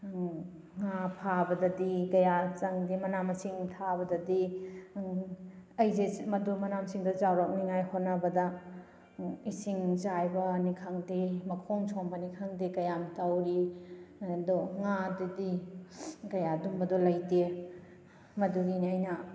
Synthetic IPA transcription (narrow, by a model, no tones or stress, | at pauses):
ŋapʰabɐdɐdiɡɐjat͡ʃɐŋdimɐnamɐsiŋtʰabɐdɐdi | ɐjzemɐdumɐnamsiŋdɐzawɾak̚niŋajhot̚nɐbɐdɐ | isiŋzajbɐnikʰaŋdimɐkʰoŋt͡ʃʰoŋbɐnikʰaŋdikɐjamtawɾi | dɔŋadudi | ɡɐjadumbɐdolɐjte | mɐduɡiniajnɐ